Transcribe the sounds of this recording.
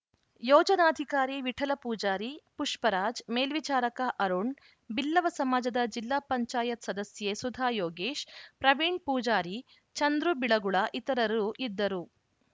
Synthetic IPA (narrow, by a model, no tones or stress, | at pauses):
jɔːd͡ʒɐnaːd̪ʱikaːɾiʋiʈʰɐlɐpuːd͡ʒaːɾipuʂpɐɾaːd͡ʒmeːlʋit͡ʃaːɾɐkaʔɐɾuɳ | bilːɐʋɐsɐmaːd͡ʒɐd̪ɐd͡ʒilːaːpɐɲt͡ʃaːjɐt̪sɐd̪ɐsjesud̪ʱaːjoːɡeːʃpɾɐʋiɳɖpuːd͡ʒaːɾi | t͡ʃɐnd̪ɾubiɭɐɡuɭɐʔit̪ɐɾɐɾuʔid̪ːɐɾu